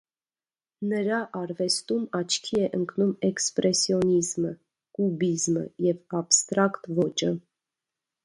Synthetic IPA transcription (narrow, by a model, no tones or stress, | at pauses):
nəɾɑʔɑɾvɛst̪umɑt͡ʃʰkʰiɛʔəŋkʰnumɛkspɾɛsjɔnizmə | kubizmə̰jɛvɑpst̪ɾɑkt̪vɔt͡ʃə